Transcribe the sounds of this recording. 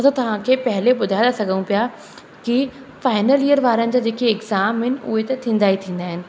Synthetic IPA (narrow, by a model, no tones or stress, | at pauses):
ɐt̪ot̪ɐʋ̤ãkʰeːpɐɦɪleɓʊd̪ʱaːd̪asɐɡʱənũpija | ki | faːɪnəlijəɾʋaːɾənɪ̆d͡ʑaːd͡ʑeːkeɪɡzaːmɦɪnɪ̆ʔʊ̰ɦet̪ɐt̪ʰĩːn̆d̪aːɦit̪ʰĩːn̆d̪aːɦɪnɪ̆